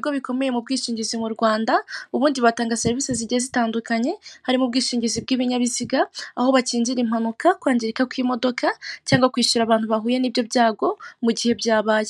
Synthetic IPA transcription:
bɡo̞βiko̞me̞jemub̚ɡiːʃiːɲɟizimuɾɡwaːndauβuːndiβataːŋɡase̞ɾviseziɟiezitaːndukaɲe̞haɾimub̚ɡiːʃiːɲɟizibɡiːβiɲaβiziɡaːho̞βaciːɲd͡ʒiɾim̥hanukakwaːɲɟiɾikakwimo̞do̞kʰacaːŋɡwakwiːʃuɾaːβaːntuβaɦuːjenibjo̞bjaːɡo̞muɟihe̞bjaːβaje

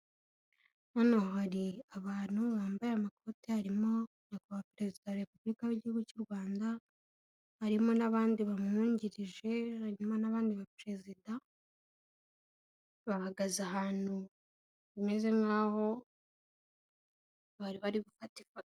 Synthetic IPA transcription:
anahohaɾiaβaːn̥huβaːmbajeamakʰo̞ːtihaɾimo̞ | nakuβapɾe̞zidaβaɾepublikaβiɟihuɡucuɾɡwaːnda | haɾimo̞naβaːndiβamuːɲɟiɾiʒe̞aɲumanaβaːndiβapɾe̞zida | βahaɡazaɦaːn̥hu | βimeze̞ŋɡaːho̞ | βaɾiβaɾiβufatifat

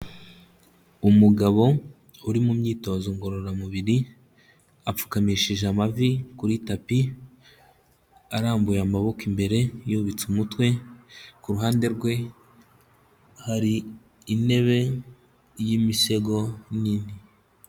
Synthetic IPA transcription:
umuɡaβo̞ | uɾimumɲiːto̞zoŋɡo̞ɾo̞ɾamuβiɾi | ap͡fu̥kamiʃiʒamavikuɾitapi | aɾaːmbujamaβo̞kimbe̞ɾe̞joβit͡sumutwe̞kuɾuɦaːnde̞ɾɡwe̞ | haɾiː | ne̞βe̞ | jimise̞ɡo̞niːni

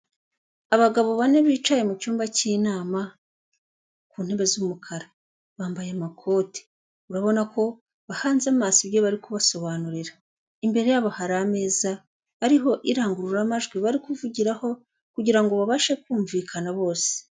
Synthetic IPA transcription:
aβaɡaβo̞βane̞βiːt͡ʃaje̞mucuːmbaciːnaːma | kuːn̥he̞βe̞zumukʰaɾa | βaːmbajemakʰo̞ːte̥ | uɾaβo̞nako̞ | βahaːnzamaːsiβje̞βaɾikuβaso̞βaːnuɾiɾa | imbe̞ɾe̞jaβahaɾame̞ːzaː | ɾiɦo̞ʔiɾaːŋɡuɾuɾamaʒɡwiβaɾikuvuɟiɾaho̞ | kuɟiɾaŋɡo̞βaβaʃe̞kuːɱviːkʰanaβo̞ːse̥

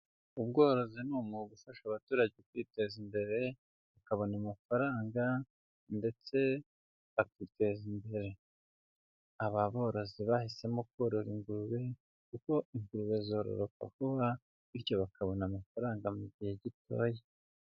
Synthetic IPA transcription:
ubɡo̞ːɾo̞zinumuɡufaʃaβatuːɾaɟekwiːte̞zimbe̞ɾe̞ | βakaβo̞namafaɾaːŋɡa | nde̞t͡se̞ | βakite̞zimbe̞ɾe̞ | aβaβo̞ːɾo̞ziβahise̞mo̞kwoɾo̞ɾiŋɡuɾuβe̞ | kuko̞iŋɡuɾuβe̞zo̞ːɾo̰ɾo̞ka̰kuβa | iɾjo̞βakʰaβo̞namafaɾaːŋɡamuɟihe̞ɟito̞̰ːje

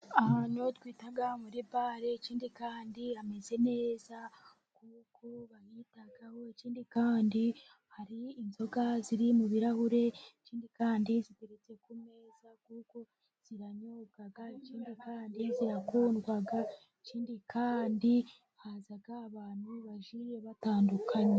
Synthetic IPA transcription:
ahaɲotwiːtaɡamuɾibaɾe̞ːciːndikaːndiame̞ze̞ne̞ːza | kukʰoβahitaɡaho̞eciːndikaːndi | haɾiːnzo̞ɡaziɾimuβiɾahuɾe̞ciːndikaːndizibeɾet͡se̞kume̞zakuko̞ | z̥iɾaɲoɡaɡaeciːndikaːndiziɾakuːnɡwaɡa | eciːndikʰaːndi | haːzaɡaːβaːn̥huβaʒijeβataːndukʰaɲe

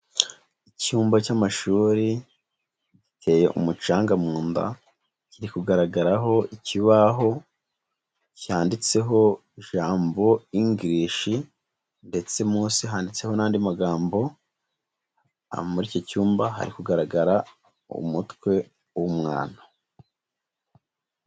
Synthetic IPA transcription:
icuːmbacamaʃuːɾi | ɟitʰe̞ːje̞ʔṵmut͡ʃaːŋɡamuːnda̰ | ciɾikuɡaɾaɡaɾaɦo̞iciβaɦo̞ | cihaːndit͡se̞ɦo̞iʒaːmbo̞iŋɡɾiʃi | nde̞t͡se̞muːsiɦaːndit͡se̞ho̞naːndimaɡaːmbo̞ | muɾiːcocuːmbaɦa̰ɾikuɡaɾaɡaɾa | ṵmutkwe̞ | wumŋa̰ːnḁ

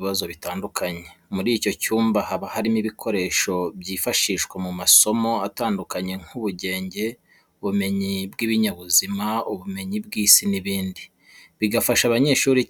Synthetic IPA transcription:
βazo̞βitaːndukʰaɲemuɾiːco̞cuːmbahaβahaɾimiβikʰo̞ɾe̞ːʃo̞bɟiːfaʃiːʃkwemumaso̞mo̞ataːndukaɲe̞ŋ̥uβuɟe̞ːɲɟe̞ | uβume̞ɲibɡiβiɲaβuzimauβume̞ɲib̚ɡiːsiniβiːndi | βiɡafaʃaβaɲe̞ʃuːɾi

